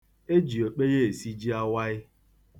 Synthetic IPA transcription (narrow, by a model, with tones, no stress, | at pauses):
e˦d͡ʒi˨o˨k͡pe˦ɣe˦e˨si˦d͡ʒi˦a˦wa˦ɪ˦